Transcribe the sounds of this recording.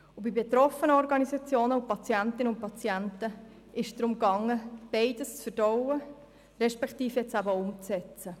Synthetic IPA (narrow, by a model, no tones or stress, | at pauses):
ʊbibet̪ɾɔfənəɔɾɡɑnizɑt͡sjoːnəʊpɑt͡sjæntɪnəʊnt̚pɑt͡sjæntə | ʔɪʃd̥̪ɾʊmɡɑŋːəb̥eɪdəst͡sfəɾd̥ɔwə | ɾɛʃpɛktiːfjɛt͡sæbəʊmt͡sɛt͡sə